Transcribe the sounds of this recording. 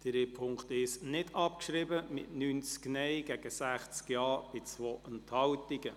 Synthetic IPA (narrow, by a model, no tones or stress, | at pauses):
d̥əɾepʰʊŋkt̪ɪʃnɪdɑp̚kʃɾɪbəmɪ̰tnyːnt͡sknɛjɡ̥ɛɡ̥əsæχt͡skjɑːb̥ɪt͡sʋoːʔənthɑwtiɡə